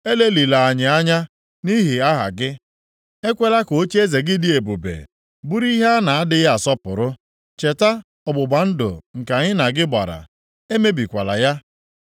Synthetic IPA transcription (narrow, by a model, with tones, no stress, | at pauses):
e˦le˦li˨la˨a˨ɲɪ˨a˦ɲa˦ | ni˦ɦi˨a˦ɦa̰˨ɡɪ˦ | e˦kʷe˦la˦ko˨o˦t͡ʃe˦ze˨ɡɪ˦dɪ˦e˨bu˨bḛ˨ | bu˦ɾi˦ɦa˦na˨a˦dɪ˦ɣa˨sɔ˦pʊ̰˨ɾʊ˦ | t͡ʃe˨ta˦ | ʊ˨bʊ˨ɡ͡ba˨n̩˦do̰˨ŋ̩˨ka˨ɲɪ˦na˨ɡɪ˦ba̰˨ɾa̰˨ | e˦me˦bi˨kʷa˨la̰˨ja˦